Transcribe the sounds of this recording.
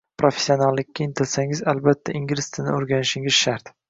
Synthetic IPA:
pɾofe̥sːio̞nalˠːɪkʲːaɪnt̪ʰɪlsaŋɪzalbat̪ʰːaʔɪŋɡʲlɪst̪ʰɪnɪoɾɡʲanɪʃɪŋɪz̥ʃaɾt̪

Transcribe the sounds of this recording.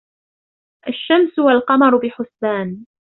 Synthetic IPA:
ʔaʃːamsʊwalqɑmɑɾˤʊbɪħʊsːaːn

